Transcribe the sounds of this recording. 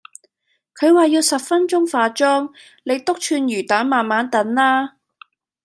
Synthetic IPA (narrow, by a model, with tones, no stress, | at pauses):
kʰɵ˨˧ɥwaː˨jiː˧wsɐ˨p̚fɐ˥nt͡ʃʊ˥ŋfaː˧t͡ʃɔː˥ŋ | le˨˧jt̪ʊ˥k̚t͡ʃʰyː˧njyː˨˩t̪aː˨˥nmaː˨nmaː˨˥nt̪ɐ˨˥nlaː˥